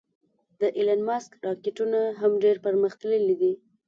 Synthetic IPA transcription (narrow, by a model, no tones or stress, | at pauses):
d̪əʔilanmɑskɾɑkeʈunaɦamɖeɾpəɾməxt̪ələlid̪i